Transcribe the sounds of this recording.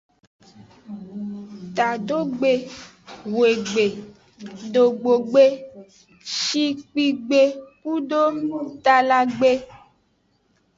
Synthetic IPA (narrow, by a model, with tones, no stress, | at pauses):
t̪a˨ɖo˦ɡ͡be˨ | ɣe˨ɡ͡be˨ | ɖo˨ɡ͡bo˨ɡ͡be˦ | ʃi˦k͡pi˦ɡ͡be˨ku˦ɖo˦mĩ˦t̪a˨la˨ɡ͡be˦